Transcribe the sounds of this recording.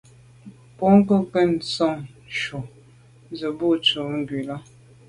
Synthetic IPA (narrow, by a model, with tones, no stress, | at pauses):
pɔ˦ŋ˦kə˦kə˦n̩˨sɔ˦˨ŋ | ʃu˨˦ | zə˨bu˦t͡su˨ŋ̩˦ɡwi˨la˦